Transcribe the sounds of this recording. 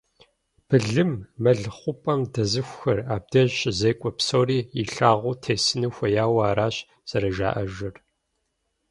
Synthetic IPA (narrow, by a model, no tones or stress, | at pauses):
b̥ɨɮɨmːɐɮχʷʊpʼɐmdɐzɨxʷxɐraːb̚dɐʑɕʼzejkʷʼɔpsoːriːiɬaːʁʷʊːtʰeːsɨnɨxʷɐjaːwaːɾaːɕ | z̥ɐɾɐʒa̰ːʔɐʒɪr